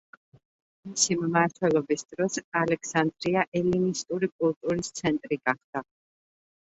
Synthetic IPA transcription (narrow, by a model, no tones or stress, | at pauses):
misimmaɾt̪ʰwɛlˠɔbisd̪̥ɾɔsalɛkʰsand̪ɾiaʔɛlinist̪ʼuɾikʼulˠt̪ʼuɾist̪sʰɛnt̪ʼɾiɡaχd̪̥a